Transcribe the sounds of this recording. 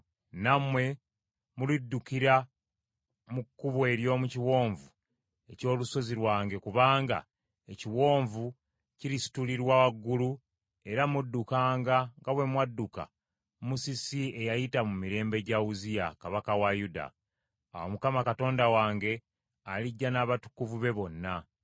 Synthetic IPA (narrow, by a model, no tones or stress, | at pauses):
namwe̞ | mulidːukiɾa | mukːuβwe̞ːɾjo̞ːmuciwo̞ːɱvu | e̞co̞ːluso̞ziɾwaːŋɡe̞kuβaːŋɡa̰ | eciwo̞ːɱvu | ciɾisi̥tuliɾwawaɡːulu | e̞ɾamudːukaːŋɡaŋɡaβwe̞mwadːuka̰ | musisie̞jajitamumiɾe̞ːmbe̞ɟauzijakaβakawajuda̰ | awomukamakato̞ːndawaːŋɡe̞ | aliɟːanaːβatu̥kuvuβe̞βo̞nːa